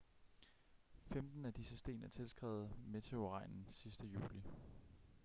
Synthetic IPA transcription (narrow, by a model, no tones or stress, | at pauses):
femd̥n̩æd̥isəsd̥e̝̰ːnæɐt͡sʰe̝lsɡ̥ʁɛ̰ːʊð̩ˠme̝t͡sʰe̝o̝ʁɑ̈ɪ̰nn̩sisd̥əjṵːli